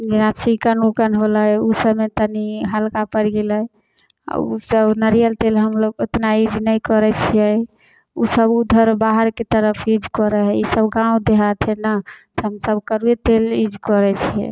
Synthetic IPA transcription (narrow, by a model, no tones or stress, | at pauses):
d͡ʒenat͡ʃʰikənukənɦoləjusəbmet̪əniɦəlkapəɾɡelə | a̰ṵsəbnəɾijəlt̪elɦəmloɡot̪naid͡ʒnəjkɔɾɛt͡ʃʰijɛ | usəbud̪ʱəɾbaɦəɾket̪əɾəpʰid͡ʒkɔɾəɦɛisəbɡãũd̪eɦat̪ʰɦɛnət̪ɦəmsəbkəɾuet̪elid͡ʒʱkɔɾɛt͡ʃʰijɛ̰